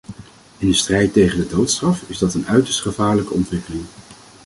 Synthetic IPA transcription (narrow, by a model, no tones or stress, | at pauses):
ɪndəstrɛjtejχəndədowtstrɑfɪzdɑtənœɥtə̥ɹstχəvaːɹləkəɔntʋɪkəlɪŋ